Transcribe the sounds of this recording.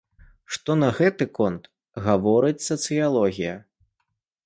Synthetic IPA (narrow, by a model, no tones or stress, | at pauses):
ʂt̪ɔnɐɣɛt̪ɨkɔnt̪ | ɣavɔɾɨt͡sʲsɐt̪sɨjalˠɔɣʲijɐ